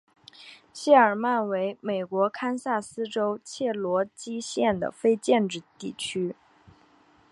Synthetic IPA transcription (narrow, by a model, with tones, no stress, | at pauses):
ɕɛ˥˩ə˞˨˩ma˥˩nwe˧˥ɪme˨˩ɪkwɔ˧˥kʰa˥nsa˥˩sɹ̩˥ʈ͡ʂo˥ʊt͡ɕʰjɛ˥˩lwɔ˧˥t͡ɕi˥ɕjɛ˥˩nd̪ə̰˩fe˥ɪt͡ɕjɛ˥˧nʈ͡ʂɻ̩˥˧t̪i˥˩t͡ɕʰy˥